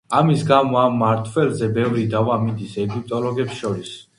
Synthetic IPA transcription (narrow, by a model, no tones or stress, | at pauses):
amisɡamɔamːaɾt̪ʰwɛlzɛbɛvɾid̪avamid̪isɛɡip̚ʰt̪ʼɔlɔɡɛpsʃɔɾis